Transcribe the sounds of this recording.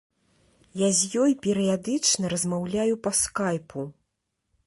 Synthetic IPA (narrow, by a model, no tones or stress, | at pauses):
jazʲjɔjpʲɛɾɨjad̪ɨt͡ʂnɐɾɐzmawlʲajupɐskajpʰu